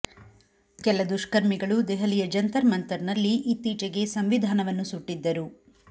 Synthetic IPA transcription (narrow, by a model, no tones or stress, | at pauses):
kɛlɐd̪uʃkɐɾmiɡɐɭud̪ɛɦɐlijɐd͡ʒɐnt̪ɐɾmɐnt̪ɐɾnɐlːiʔit̪ːiːt͡ʃɐɡe̞sɐmʋid̪ʱaːnɐʋɐnːusuʈːid̪ːɐɾu